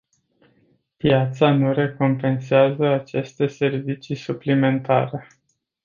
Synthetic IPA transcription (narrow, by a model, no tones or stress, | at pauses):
pjat̪sanuɾe̞ko̞mpe̞nseazəat͡ʃe̞st̪e̞se̞rvit͡ʃisuplime̞nt̪a̰ɾe̞